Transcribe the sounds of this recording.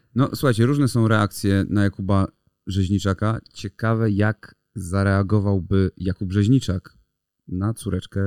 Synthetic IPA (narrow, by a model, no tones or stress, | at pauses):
nɔswuxajt͡ɕɛɾuʐnɛsɔ̃w̃ɾɛakt̪sʲjɛnajakuba | bʐɛʑɲit͡ʂakat͡ɕɛkavɛjak | zaɾɛaɡɔvawbɘjakubbʐɛʑɲit͡ʂak | nat̪suɾɛt͡ʂkɛ